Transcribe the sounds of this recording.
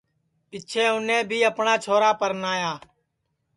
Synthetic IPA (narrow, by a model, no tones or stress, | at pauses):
pɪt͡ʃʰeːʊnẽːbʱiːəpɳaːt͡ʃʰoːɾaːpəɾnaːjaː